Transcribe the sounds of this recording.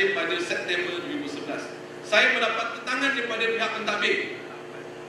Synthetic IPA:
ɪbadəlsɛp̚t̪ɛmbədwəɾibusəbəla̰s | sajamə̃ndapat̪̚ːət̪aŋãndipadapiɦak̚mənt̪abɪʔ

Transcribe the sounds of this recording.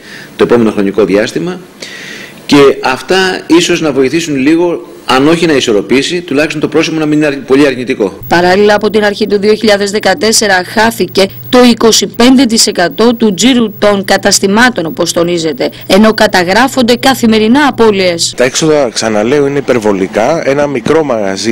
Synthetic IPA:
t̪oe̞po̞me̞noxɾo̞niko̞ðiɐst̪imɐ | ce̞ɐft̪ɐisoznɐvo̞iθisunliɣo̞ | ɐno̞çinɐiso̞ɾo̞pisit̪ulɐçist̪ot̪pɾo̞simonɐmininɐɾpo̞ʎiɐɾɲit̪iko̞pɐɾɐlilɐːpo̞t̪inɐɾçit̪uðio̞çiʎɐðe̞zðe̞kɐt̪e̞se̞ɾɐxɐθice̞ | t̪o̞iko̞sipe̞nd̪e̞t̪̬ise̞kɐt̪o̞t̪ud͡ziɾut̪o̞ŋkɐt̪ɐst̪imɐt̪o̞nopo̞st̪o̞nize̞t̪e̞ːno̞kɐt̪ɐɣɾɐfo̞nd̪e̞kɐθime̞ɾinɐːpo̞lie̞st̪ɐe̞kso̞ðɐksɐnɐle̞o̞ine̞ipe̞ɾvo̞likɐe̞nɐmikɾo̞mɐɣɐ̰zi

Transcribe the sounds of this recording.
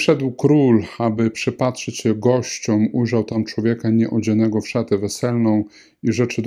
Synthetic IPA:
ʂɛd̪wkɾulabɘpʂɘpatʂɛt͡ɕɕɛɡɔɕt͡ɕɔmujʐawt̪amt͡ʂwɔvʲjɛkaɲɛʔɔd͡ʑɛnɛɡɔfʂat̪ɛvɛsɛlnɔ̃w̃ | iʐɛt͡ʂɘd̪

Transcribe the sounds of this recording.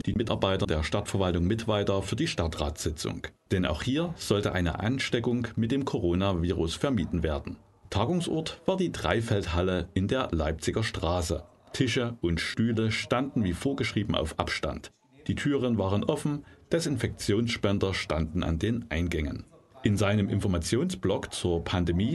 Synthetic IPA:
d̥iːmɪtaɐbaɪtɐdeːɐʃtatfɛɐvaltʊŋmɪtv̥aɪtɐfyːɐdiːʃtatʁ̥a̰ːtz̥ɪt͡sʊ̰ŋd̥ɛna̰ʊxhiːɐz̥ɔltəʔaɪnə̰ʔa̰nʃtɛkʊŋmɪt̚d̥eːmkʰoʁoːnaviːʁʊsfɛɐmiːdn̩veːɐdn̩ | tʰaːɡʊŋsʔɔ̰ɐtv̥aːɐdiːdʁa̰ɪfɛlthaləʔɪndeːɐlaɪp̚t͡sɪɡɐʃtʁ̥aːsə̰ | tʰɪʃəʔʊntʃtyːləʃtandn̩viːfoːɐɡəʃʁ̥iːbm̩ʔa̰ʊfʔa̰pʃta̰nt | d̥iːtʰyːʁ̞ənvaːʁənʔɔfn̩d̥ɛsɪnfɛk̚t͡sjoːnsʃpɛndɐʃtandn̩ʔa̰ndeːnʔaɪnɡɛŋə̰n | ʔɪnzaɪnəmʔɪ̰nfɔɐmat͡sjoːnsb̥lɔkt͡suːɐpʰandemiː

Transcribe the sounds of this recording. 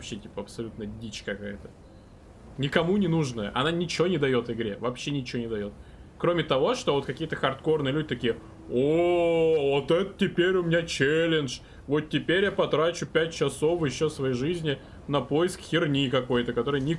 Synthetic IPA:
vɐpɕːetʲi̥pəɐpsɐlʲut̪nədʲit͡ɕkɐkajət̪ə̥ | nʲɪkɐmunʲɪnuʐnəjəʔɐ̰nanʲɪt͡ɕɪvʲo̞nʲɪd̪ɐjo̞t̪vɪɡɾʲe̞vɐpɕːenʲɪt͡ɕɪvonʲɪd̪ɐjo̞t̪̚kɾo̞mʲɪt̪ɐvo̞ʂt̪o̞vo̞t̪kɐkʲijət̪əxɐrt̪ko̞rnɨjəlʲudʲɪt̪ɐkʲijə | o | vot̪ɛt̪ətʲɪpʲeɾʲʊmʲɪnʲat͡ɕelʲɪnʂ | vo̞t̪̚tʲɪpʲeɾʲjapɐt̪ɾat͡ɕʊpʲæt̚ʲt͡ɕɪso̞fjɪɕːosvɐjejʐizʲnʲɪ | nɐpo̞jɪskxʲɪrnʲikɐko̞jt̪əkɐt̪o̞ɾɨjənʲɪ

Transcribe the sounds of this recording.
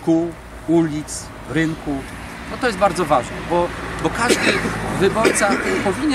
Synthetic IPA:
kuw | ulʲit̪s | ɾɘŋku | ɔt̪ɔjɛst̪̚baɾd̪zɔvaʐnɛbɔbɔkaʐd̪ɘvɘbɔɾt̪sapɔvʲiɲɛ

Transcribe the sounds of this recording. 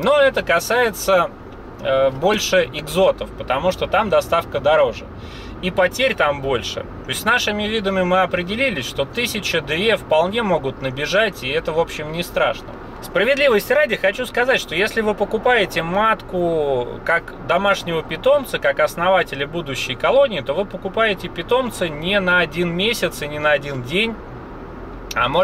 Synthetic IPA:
noɛt̪əkɐsajɪt̪sə | bo̞lʲʂɨʔɪɡzo̞t̪əfpət̪ɐmuʂt̪o̞t̪amd̪ɐst̪afkəd̪ɐɾo̞ʐɨ | ipɐtʲeɾʲt̪ambo̞lʲʂɨ̰t̪oɪsʲtʲsnaʂɨmʲɪvʲid̪əmʲɪmɨɐpɾʲɪdʲɪlʲilʲɪsʲʂt̪o̞t̪ɨsʲɪt͡ɕɪd̪ɨefpɐlˠnʲe̞mo̞ɡʊt̪nəbʲɪʐatʲɪɛt̪əvo̞pɕːɪmnʲɪst̪ɾa̰ʂnə̰ | spɾəvʲɪd̪lʲivəsʲtʲɾadʲɪxɐt͡ɕuskɐzatʲʂt̪o̞jesʲlʲɪvɨpəkʊpajɪtʲɪmat̪kʊkak | d̪ɐmaʂnʲɪvəpʲɪt̪o̞mt̪səkakɐsnɐvatʲɪlʲɪbud̪ʊɕːɪjkɐlˠo̞nʲɪːt̪o̞vɨpəkʊpajɪtʲɪpʲɪt̪o̞mt̪sɨnʲɪnɐɐdʲinmʲesʲɪt̪sɨnʲɪnəɐdʲindʲenʲ | ɐ̰mo

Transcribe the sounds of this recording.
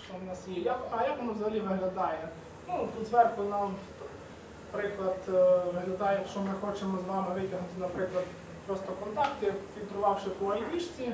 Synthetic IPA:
ʃt͡ʃɔmnasjɛjakɐjaknɐʋzɐɦɐlʲiʋɪɦlʲɐd̪ɑjɛ | nut̪uzʋɛrk̪ˠɐnɐt̪ | pɾɪklˠɐd̪ʋɪɦlʲɐd̪ɑjɛʃt͡ʃɔmɪxɔt͡ʃemɔzʋɑɦɐʋɪtʲɐɦnʊt̪ɪnɐpɾɪklˠɐd̪ | pɾɔst̪ɔkɔnt̪ɑkt̪jfʲilt̪ɾʊʋɑwʃɪpɔɐlʲnʲiʃt͡sʲi

